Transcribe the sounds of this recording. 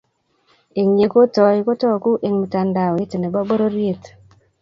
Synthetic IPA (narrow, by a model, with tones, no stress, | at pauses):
e˨ŋɲe˨ko˦tɔ˨ɪ˨ko˦tɔ˦˨ku˦ʔe˨ŋmi˨ta˨nda˨ɔ˨e˦te˨ne˨ba˦ɡ͡bo˦ɾo˦ɾje˦t